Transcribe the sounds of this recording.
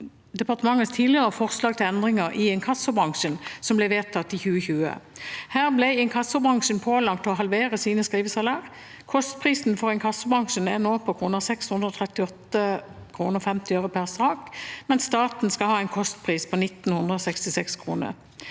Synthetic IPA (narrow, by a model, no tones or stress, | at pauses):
d̪ɛpɑʁt̪əmɑŋːəst̪ʰiːlɪəʁəfɔʁslɑːɡ̚t̪ʰɪlɛnd̪ʁɪŋəʁʔɪɛnkʰɑsʊbʁɑŋʂənsɔmblɛʋeːt̪ʰɑt̪ːɪçʉːəçʉːə̰hæːʁblɛɪɛnkʰɑsːʊbʁɑŋʂnpʰoːlɑkt̪ɛɔɦɑlʋeːʁəsiːnəskʁiːʋəsɑlɑːʁ | kʰɔst̪̚pʰʁiːsn̩fɔʁɛnkʰɑsːʊbʁɑŋʂənænoːpʰɔkʰʁuːnəsɛkshʉnd̪ɾəɔːt̪ʰʁɛt̪ːɪɔt̪ːəkʰʁuːnəʁfɛmt̪ɪøʉɾʊpʰæʁsɑːkmɛnst̪ɑːt̪n̩skɑlhɑːɛɪnkʰɔst̪pʰʁiːspʰɔnɪt̪ːnhʉnd̪ʁəɔsɛkst̪ɪsɛkskʰʁuːnə̰ʁ